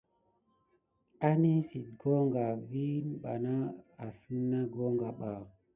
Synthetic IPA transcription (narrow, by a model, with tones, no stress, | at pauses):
a˦ni˦si˨t̚ɡo˦ŋɡa˨vi˦nɓa˨na˦a˨si˦na˦ɡo˦ŋɡa˨ɓa˨